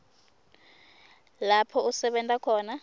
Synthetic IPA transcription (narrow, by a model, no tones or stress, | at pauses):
lapʰɔusɛɓɛntʼakʰɔːna